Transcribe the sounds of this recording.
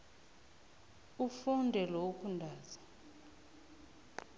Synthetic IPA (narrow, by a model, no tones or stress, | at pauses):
ufundʱɛloukʰundʱaːza